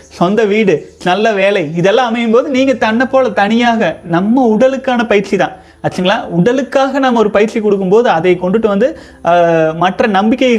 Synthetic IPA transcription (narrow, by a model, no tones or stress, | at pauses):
sɔnd̪ɐʋiːɽɯnɐlːɐʋeːlɐɪɪðɛlːãːɐmɐjɯmpoːðɯniːŋɡɐt̪ɐɳnːɐpːoːlɐt̪ɐɳɪjaːɣɐnɐmːɐʊɽɐlɯkːaːnɐpɐjɪɾt͡ʃit̪ã̰ː | ɐt͡ʃːɯŋɡɐɭaːʊɽɐlɯkːaːɣɐnɐmːɐɔɾɯpɐjɪɾt͡ʃikɔɽɯk̬ːɯmpoːðɯɐðɐɪkɔɳɖɯʈːɯʋɐnd̪ɯ | mɐʈrɐnɐmbɪkːɐjɪ